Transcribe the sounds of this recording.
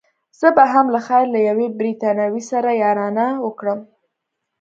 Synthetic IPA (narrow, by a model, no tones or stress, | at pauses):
z̥əbaɦamlaxajɾlajawebɾit̪ɑnawisaɾajɑɾɑnawəkɽəm